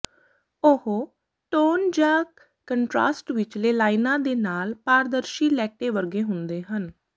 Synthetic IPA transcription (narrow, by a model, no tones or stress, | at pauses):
ʊhoː | ʈoːnd͡ʒãː | kəɳʈɾa̰ːsʈʋɪt͡ʃleːlaːɪnãːd̪eːnaːlpaːɾd̪əɾʃiːlɛːk̚ʈeːʋəɾɡeːɦʊnd̪eːɦən